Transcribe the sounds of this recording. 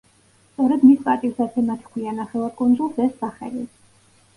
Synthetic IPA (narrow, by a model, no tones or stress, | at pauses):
st̪sʼɔɾɛd̪mispʼaɾt̪ʼisd̪at̪sʰɛmat̪ʰkʰwianaχɛlakʼund̪zulˠsɛsaχɛ̰li